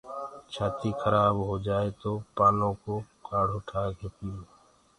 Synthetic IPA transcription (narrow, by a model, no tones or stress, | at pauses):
t͡ʃʰaːt̪iːkʰəɾaːbɦoːd͡ʒaːeːt̪oːpaːlõːkoːkaːɽ̤oːʈʰaːkeːp̪iõː